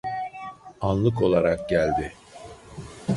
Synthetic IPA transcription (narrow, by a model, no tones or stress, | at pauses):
anlˠɯko̞lˠaɾak̚ɟælʲd̪ɪ